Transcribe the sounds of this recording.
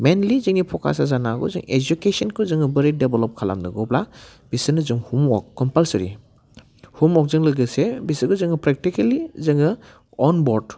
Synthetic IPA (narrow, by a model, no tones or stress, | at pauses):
menlizɯŋipʰɔkʰa̰sazanaɡɔ̰zɯ̰ŋed͡ʒukesɔnkʰuzɯŋɯbɯɾedebelɔp̚kʰala̰mnɯɡɔblab̥isɯnɯzɯŋhumɔkːɔmpalsɾḭ | humɔk̚zɯŋlɯɡɯsebisɯɡɯzɯŋɯpɾek̚tikelizɯŋɯ | ɔnbɔɾd